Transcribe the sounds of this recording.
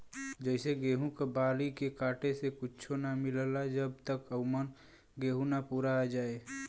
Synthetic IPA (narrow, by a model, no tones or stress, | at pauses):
d͡ʒəɪseɡeːɦũkabaːlikekaːʈesekʊt͡ʃʰonamɪllad͡ʒəb̚t̪əkəʊmən | ɡeːɦũnapuːɾad͡ʒaːe